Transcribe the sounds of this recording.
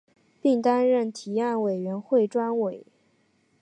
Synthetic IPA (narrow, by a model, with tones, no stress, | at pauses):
pi˥˩ŋt̪a˥nɻə˥˩nt̪ʰi˨˧˥a˥˩nwe˨˩ɪɥɛ˧˥nxwe˥˩ɪʈ͡ʂwa˥nwe˨˩˦ɪ